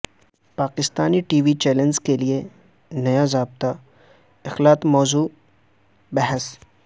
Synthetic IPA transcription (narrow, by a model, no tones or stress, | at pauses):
paːkɪst̪aːniʈiːʋit͡ʃɛːlə̃nd͡ʒkelie | nɐjazaːb̚t̪a | ɪxlaːt̪mɔːzuː | bɛɦəs